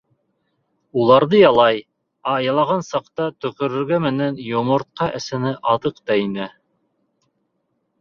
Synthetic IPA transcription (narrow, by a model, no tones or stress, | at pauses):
ulˠɑɾðɤjɑlˠɑj | ɑːjɑlˠɑʁɑnsɑqt̪ɑt̪ɵ̆kɵ̆ɾɘ̆ɾɡæmɘ̆nænjŏmŏɾt̪̚qɑʔɘ̆sɘ̆nɘʔɑðɤqt̪ɑinɘ